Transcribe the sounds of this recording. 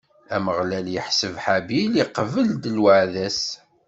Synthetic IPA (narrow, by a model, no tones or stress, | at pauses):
æməʁlæljəħsəvħabiliqvəld̪əlwəʕðæs